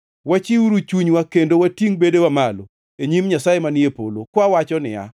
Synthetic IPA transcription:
wat͡ʃiwuɾut͡ʃuɲwakendowatiŋbedewamalo | eɲimɲasajemaniepolokwawat͡ʃɔnɪ̰a̰

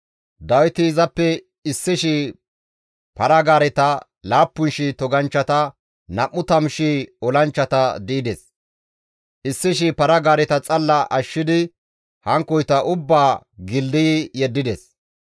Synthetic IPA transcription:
d̪ɐwɪt̪ɪːzɐpːɛ | ɪsːɪʃɪ | pɐɾɐɡaːɾɛt̪ɐ | laːpːʊnʃɪt̪ɔɡɐnt͡ʃːɐt̪ɐ | nɐʔːʊt̪ɐmʃiɔlɐnt͡ʃːɐt̪ɐd̪ɪʔɪd̪ɛs | ʔɪsːɪʃ̬ɪpɐɾɐɡaːɾɛt̪ɐt͡sʼɐlːɐʔɐʃːɪd̪ɪ | hɐŋkːɔjt̪ɐʔʊbːaːɡɪld̪ɪjjɛd̪ːɪd̪ɛs

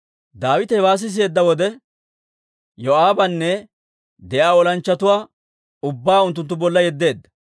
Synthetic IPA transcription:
d̪aːwɪt̪ɛɛwaːs̬ːɪs̬e̞ːd̪ːɐwɔd̪ɛ | jɔaːbɐnːɛ | d̪ɛʔaːɔlɐnt͡ʃːɐt̪ʊwaː | ʊbːaːʊnt̪̬ːʊnt̪ːʊbɔlːɐjɛd̪ːe̞ːd̪ːɐ

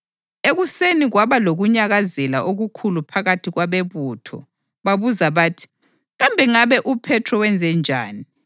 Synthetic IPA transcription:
eɣuseniɣwaβaloɣuɲaɣazɛla̰ʔoɣukʰulupʰaɣatʰiɣwaβeβuːtʰɔ̰ | βaβuzaβaːtʰi̥ | ɣambʱɛŋaβɛʔupʰɛtʰrɔwɛnd͡zʱɛnd͡ʒʱa̰ːni

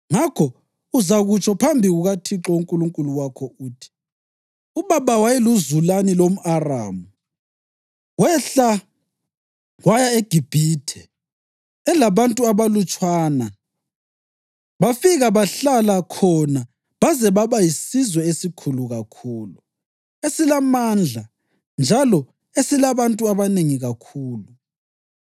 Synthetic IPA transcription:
ŋakʰɔ | uzaɣut͡ʃʰʼɔpʰambʱiɣuɣatʰiǁɔuŋkʼuluŋkʼuluwakʰɔuːtʰi̥ | uβaβawajɛluzulanilom̩ʔara̰ːmu | ɣwɛɬa | ɣwajaeɡ̥ʱib̥ʱitʰɛ | ɛlaβantʼuaβalut͡ʃʼwaːna | βafiɣaβaɬalakʰɔna | βazɛβaβajisizwɛesikʰuluɣakʰuːlu | esilamand͡ɮʱa | nd͡ʒʱalɔ | esilaβantʼuaβaneŋiɣakʰuːlu

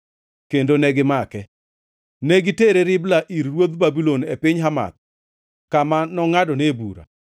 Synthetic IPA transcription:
kendonɛɡɪmakɛ | nɛɡɪteɾeɾɪblaʔiɾːwod̪babilonepɪɲɦama̰t̪̚ | kamanɔŋadɔnebuɾa̰

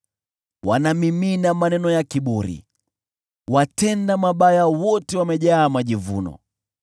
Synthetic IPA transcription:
wanamimiːnamanɛnɔjakiɓuɾḭ | watɛndamaɓajawɔtɛwamɛʄaːmaʄivṵnɔ̰

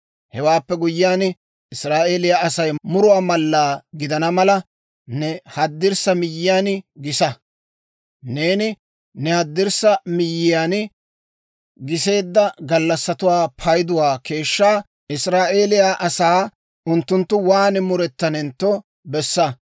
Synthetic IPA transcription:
hɛwaːpːɛɡʊjːɪjaːn | ɪsɾaːʔe̞ːlɪjaːʔɐsɐjmʊɾʊwaːmɐlːaːɡɪd̪ɐnɐmɐlɐ | nɛhɐd̪ːɪɾsɐmɪjːɪjaːnɡɪsɐ | ne̞ːnɪ | nɛhɐd̪ːɪɾsɐmɪjːɪjaːn | ɡɪse̞ːd̪ːɐɡɐlːɐsːɐt̪ʊwaːpʰɐjd̪ʊwaːke̞ːʃːaː | ɪsɾaːʔe̞ːlɪjaʔɐsaː | ʊnt̪ːʊnt̪ːʊwaːnɪmʊɾɛt̪ːɐnɛnt̪ːɔ | bɛsːɐ

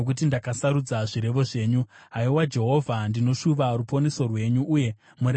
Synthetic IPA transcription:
ok̬ut̬indakasaɾud͡zaʐiɾe̞ʋo̞ʐe̞ːɲu | ɦaiwad͡ʒe̞ɦo̞vʱandino̞ʃuʋarupo̞ne̞so̞rwe̞ɲuʔːje̞ | mur

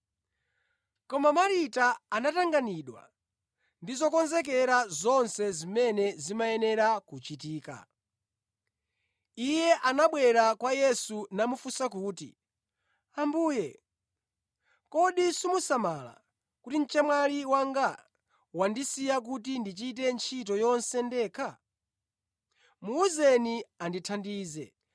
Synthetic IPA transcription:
kɔmamaɾitaanataŋɡaniɗwa̰ | ndizɔkɔnzɛk̬ɛɾazɔnsɛzimɛnɛzimaɛnɛɾakut͡ʃit̬iːka̰ | ijɛʔanaɓwɛɾakwajɛsunamufusakuːtḭ | ambuːjɛ | kɔɗisimusamala̰ | kutin̩t͡ʃɛmwaliwaŋɡa | wandisijak̬utindit͡ʃit̬ɛnt͡ʃʰit̬ɔjɔnsɛndɛːkʰa | muuzɛnianditʰandiːzɛ̰

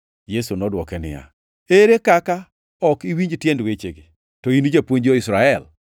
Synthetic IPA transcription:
jesunɔdwɔkɛnɪ̰ja̰ | eɾekaka | ɔkiwiɲd͡ʒtjendwet͡ʃeɡe | tɔinid͡ʒapwoɲd͡ʒoɪsɾaɛl

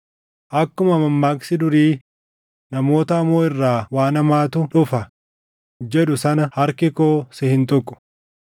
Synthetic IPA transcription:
ʔɐkːʊmɐmɐmːaːksɪd̪ʊɾiː | nɐmo̞ːt̪ɐɐmːoːɪrːaːwaːnɐmaːt̪ʊᶑʊfɐ | d͡ʒɛᶑʊsɐnɐhɐɾkɪkoːsɛhɪnt̪ɔkʼːʊ̥

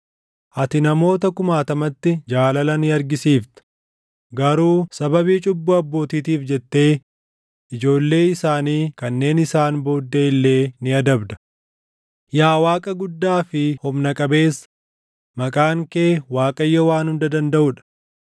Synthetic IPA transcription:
ʔɐt̪ɪnɐmo̞ːt̪ɐkʊmaːt̪ɐmɐt̪ːɪd͡ʒaːlɐlɐnɪɐɾɡɪsiːft̪ɪ̥ | ɡɐɾuːsɐbɐbiːt͡ʃʼʊbːʊɐbːo̞ːt̪iːt̪iːfd͡ʒɛt̪ːe̞ː | ʔɪd͡ʒo̞ːlːe̞ːɪsaːniːkɐnːe̞ːnɪsaːnbo̞ːd̪ːeːɪlːe̞ːnɪɐd̪ɐbd̪ɐ̥ | jaːwaːkʼɐɡʊd̪ːaːfɪhɔmnɐkʼɐbe̞ːs | mɐkʼaːŋkeːwaːkʼɐjːɔwaːnhʊnd̪ɐd̪ɐnd̪ɐʔʊᶑɐ̥

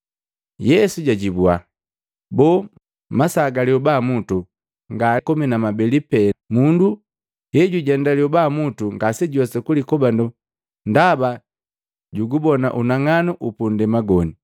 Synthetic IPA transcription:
jɛsuɟaɟibua̰ | bɔ | masaɡaliɔbamutu | ŋɡakɔminamabɛlipɛmundu | hɛɟuɟɛndaliɔbamutuŋɡasɛɟɔsɛkulikɔbandɔ | ndaba | ɟuɡubɔna̰ʔunaŋanɔʔupundɛmaɡɔni

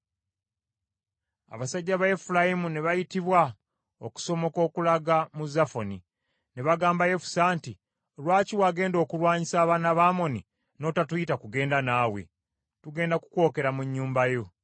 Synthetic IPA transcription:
a̰βasaɟːaβaefulajimune̞βajitiβwa | oku̥so̞mo̞ko̞ːkulaɡamuzafoni | ne̞βaɡaːmbaje̞fu̥saːnti | lwaːciwaːɡe̞ːndo̞ːkuɾwaːɲisaːβaːnaβaːmo̞ni | no̞ːtatujitakuɡe̞ːndanaːwḛ | tuɡe̞ːndaku̥ko̞ːke̞ɾamuɲːuːmbajo̞

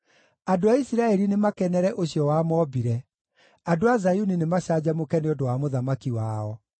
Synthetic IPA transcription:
adoaisiɾaɛɾinemakɛnɛɾɛʔoɕiɔwamɔbiɾɛ | adoazajuninemaɕad͡ʑamokɛneɔdowamoðamakiwaːɔ

